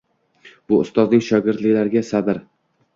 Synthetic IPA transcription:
b̥ʊʊst̪ɒznɪŋʃɒɡʲɪɾt̪lɪkʲlaɾɡʲasabɪɾ

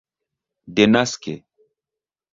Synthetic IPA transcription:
denaske

